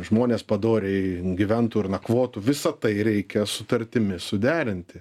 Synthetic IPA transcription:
ʒmoːnʲeːspɐd̪oːɾʲeɪɡʲɪʋʲɛnt̪uːɪɾnɐkʋoːt̪uːʋʲɪsɐt̪ɐɪɾʲɛɪkʲɛsʊt̪ɐɾʲt̪ʲɪmʲɪsʊd̪ʲæːɾʲɪnʲt̪ʲɪ

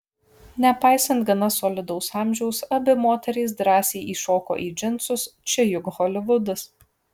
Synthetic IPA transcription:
nʲɛpɑɪsɐnt̪ɡɐnɐsɔːlʲɪd̪ɐʊsɑːmʲʒʲɛʊsɐbʲɪmoːt̪ʲɛɾʲɛɪsd̪ɾɑːsʲeːʔiːʃoːko̰ːʔiːd͡ʒʲɪnt̪sʊst͡ʃʲɪjʊɡɣɔlʲɪʋʊd̪ɐs

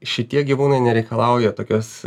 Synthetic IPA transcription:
ʃʲɪt̪ʲiɛɡʲiʋuːnɐɪnʲɛɾʲɛɪkɐlˠɑˑʊjɛt̪oːkʲoːs

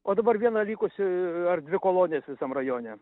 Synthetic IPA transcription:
oːd̪ɐbɐɾʋʲiɛnɐlʲiːkʊsʲɪɐrd̪ʲʋʲɪkoːlˠoːnʲeːsʲʋʲɪsɐmrɐjoːnʲɛ

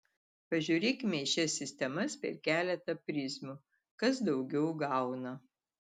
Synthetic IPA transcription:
pɐʒʲuːɾʲeːkʲɪmʲɛɪʃʲɛsʲɪsʲt̪ʲɛmɐspʲɛ̰ɾkʲæːlʲɛt̪ɐpʲɾʲɪsmu | kɐsd̪ɒʊɡʲɛʊɡɑˑʊnɐ

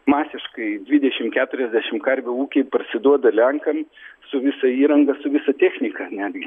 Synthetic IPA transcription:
mɑːsʲɪʃkɐɪd̪ʲʋʲɪd̪ʲɛʃʲɪmkʲæːt̪ʊɾʲɛzʲd̪ʲæːʃʲɪmkɐɾʲbʲʊuːkʲeɪpɐrʲsʲɪd̪uɔd̪ɐlʲɛŋkɐmsʊʋʲɪsɐiːɾɐŋɡɐsʊʋʲɪsɐt̪ʲæːxʲnʲɪkɐnʲæːd̪ʲɡʲɪ

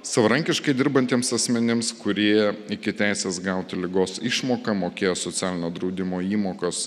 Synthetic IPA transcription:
sɐʋɐɾɐŋʲkʲɪʃkɐɪd̪ʲɪɾbɐnʲt̪ʲiɛmsɐsʲmʲɛnʲɪmskʊɾʲiɛjɛɪkʲɪt̪ʲæˑɪsʲeːsɡɐˑʊt̪ʲɪlʲɪɡoːsɪʃmoːkɐmoːkʲeːjoːsoːt̪sʲæːlʲɪnʲoːd̪ɾɐʊd̪ʲɪmoːiːmoːkoːs

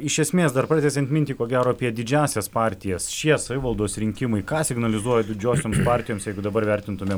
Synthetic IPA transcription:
ɪʃʲɛsʲmʲeːsd̪ɐɾpɾɑːd̪ʲɛsʲɛnt̪mɪnt̪ʲiːkoːɡʲæːɾoːɐpʲiɛd̪ʲɪd͡ʒʲæːsʲɛspɑːɾʲt̪ʲɪjɛsʃʲiɛsɐʋʲɪʋɐlˠd̪oːsɾʲɪŋʲkʲɪmɐɪkɑːsʲɪɡnɐlʲɪzuɔjɛd̪ʲɪd͡ʒʲoːsʲoːmspɑːɾʲt̪ʲɪjoːmsjɛɪɡʊd̪ɐbɐɾʋʲæɾʲt̪ʲɪnt̪ʊmʲe

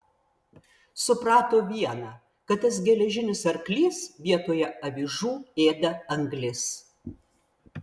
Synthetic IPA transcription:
sʊpɾɑːt̪oːʋʲiɛnɑː | kɐt̪̚t̪ːɐsɡʲɛlʲɛʒʲɪnʲɪsɐɾklʲiːsʋʲiɛt̪oːjɛɐʋʲiʒuːeːd̪ɐɐŋɡlʲɪs

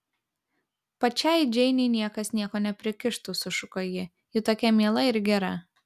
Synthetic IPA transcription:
pɐt͡ʃʲɛˑɪd͡ʒʲɛɪnʲɛɪnʲiɛkɐsnʲiɛkoːnʲɛpʲɾʲɪkʲɪʃt̪usʊʃʊkojɪ | jɪt̪oːkʲɛmʲiɛlˠɐɪɾɡʲɛɾɐ

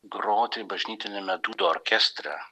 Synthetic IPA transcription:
ɡɾoːt̪ʲebɐʒʲnʲiːt̪ʲɪnʲemʲɛd̪uːd̪oːɔɾʲkʲɛsʲt̪ʲɾʲɛ̰

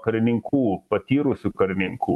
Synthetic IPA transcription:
kɐɾʲɪnʲɪŋkʰuːpɐt̪ʲiːɾʊsʲukɐɾʲɪnʲɪŋkṵː

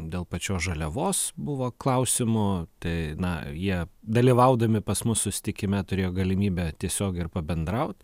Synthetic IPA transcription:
d̪ʲeːlˠpɐt͡ʃʲoːsʒɐlʲɛʋoːsbʊʋoːklˠɐʊsʲɪmʊt̪ɐɪnɐjiɛd̪ɐlʲiʋɐʊd̪ɐmʲɪpɐsmʊssʊsʲɪ̥t̪ʲɪkʲɪmʲɛt̪ʊɾʲeːjoːɡɐlʲɪmʲiːbʲɛt̪ʲiɛsʲoːɡʲɪɪrpɐbʲɛnd̪ɾɐʊt̪

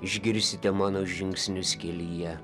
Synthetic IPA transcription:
ɪʒʲɡʲɪɾʲsʲɪt̪ʲɛmɑːnoːʒʲɪŋʲksʲnʲʊsʲkʲɛlʲijɛ

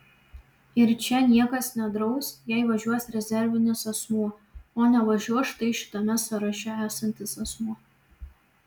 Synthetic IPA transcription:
ɪɾt͡ʃʲɛnʲiɛkɐsnʲɛd̪ɾɐʊsjɛˑɪʋɐʒʲuɔsʲɾʲɛzʲɛɾʲʋʲɪnʲɪsɐsmuɔoːnʲɛʋɐʒʲuɔʃt̪ɐɪʃʲɪ̥t̪ɐmʲɛsɐɾɐʃʲɛæːsɐnʲt̪ʲɪsɐsmuɔ

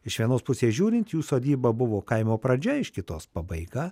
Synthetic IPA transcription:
ɪʃʋʲiɛnoːspʊsʲeːsʒʲuːɾʲɪnt̪juːsoːd̪ʲiːbɐbʊʋoːkɐɪmoːpɾɐd͡ʒʲɛɪʃkʲɪt̪oːspɑbɐɪɡɑː

